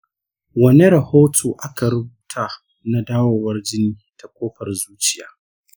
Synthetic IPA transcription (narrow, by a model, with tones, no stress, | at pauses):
wɐ˦ne˦ɾɐ˨hoː˦tʰoː˨ʔa˦ka˨ɾʊ˦buː˨tʰa˨ | na˦daː˦woː˨wɐ˦rd͡ʒɪ˦niː˦tʰa˨kʷʼoː˦ɸɐ˨rzuː˦t͡ʃɪ˦ja̰ː˨˦